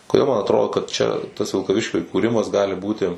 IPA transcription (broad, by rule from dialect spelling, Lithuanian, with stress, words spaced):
koːˈdʲeːlˠ mɐn ɐtˈroːdoː kɐt t͡ʃʲɛ tɐs ʋʲɪlˠkɐˈʋʲɪʃʲkʲʊ iːkuːˈrʲɪmɐs ˈɡɑːlʲɪ ˈbuːtʲɪ